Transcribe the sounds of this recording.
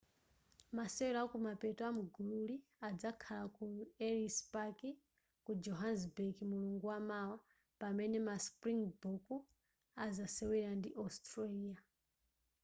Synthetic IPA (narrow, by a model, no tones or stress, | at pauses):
masɛwɛɾakumapɛtɔamuɡululiad͡zakʰalakuɛɾispaki | kud͡ʒɔɦansbekimuluŋɡuwamawa | pamɛnɛmaspɾiŋbuku | azasɛwɛɺandiʔɔstɾaliːa